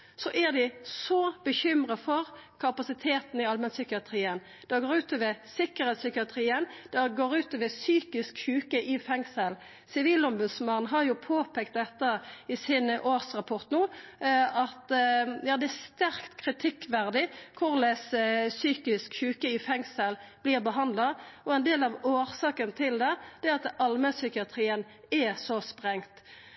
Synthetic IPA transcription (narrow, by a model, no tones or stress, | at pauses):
sɔʔæʁd̪ɪsɔb̥əçʏmʁəfɔʁkʰɑpɑsɪt̪ʰeːt̪n̩ɪɑlmɛnsʏkɪɑt̪ʰɾiːən | d̪̥ɛɡoːʁʉːt̪ɔʋəsɪkəʁɛt̪sʏkɪɑt̪ʰɾiːənd̪̥ɛɡoːʁʉːt̪ɔʋəsyːkɪskçʉːkəʔɪfɛŋsəl | sɪʋiːlɔmbʉd̪smɑnn̩ɦɑɾjʊpʰoːpʰɛk̚t̪̚d̪ɛt̪ːəɪsɪnʔoːʁsʁɑpʰɔʁt̪nuː | ɑt̪jɑːd̪ɛæst̪æʁkt̪kʰʁɪt̪ʰɪkːʋæʁd̪ɪkʰʊʁlɛssyːkɪskçʉːkəɪfɛŋsəlb̥liːʁbəɦɑnd̪lɑɔɛnd̪eːlɑʋoːʁsɑːkənt̪ʰɪld̪ɛd̪̥ɛɑt̪ɑlməsʏkɪɑt̪ʰʁiːən | ɛsɔspʁɛŋt̪